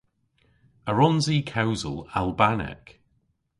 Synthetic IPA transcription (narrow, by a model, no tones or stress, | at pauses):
əɹɔ̃nziːkʰawzə̰lˠalˠbanɪ̰k